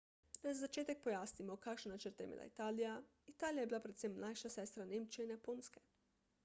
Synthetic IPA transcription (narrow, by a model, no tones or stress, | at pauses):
nazazat͡ʃeːt̪ɛk̚pɔjaːsnimɔkakʃnanat͡ʃəɾt̪ɛjɛ̰mḛːla̰it̪aːlija | it̪aːlijajɛbilapɾɛt̪semnajʃasɛːst̪ɾaneːmt͡ʃiɛinjapoːnskɛ̥